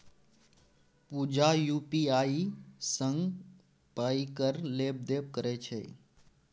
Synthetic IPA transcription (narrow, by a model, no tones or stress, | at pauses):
puːd͡ʒajuːpiaːisə̃ŋɡ | paːikəɾleːb̚d̪eːp̚kəɾet͡ʃʰḛː